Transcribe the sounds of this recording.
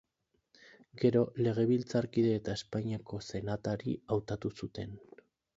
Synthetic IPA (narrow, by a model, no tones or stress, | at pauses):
ɡe̞ɾo̞le̞ɣ̞e̞βilt͡saɾkiðe̞ːt̪ae̞spaɲiako̞se̞nat̪aɾiawt̪at̪usut̪e̞n